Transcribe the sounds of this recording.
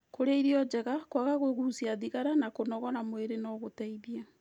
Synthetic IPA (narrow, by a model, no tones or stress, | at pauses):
koɾaiɾiɔd͡ʒɛɣakwaɣaɣweɣuusiaðiɣaɾanakonɔɣɔnamweɾenɔɣotɛiðia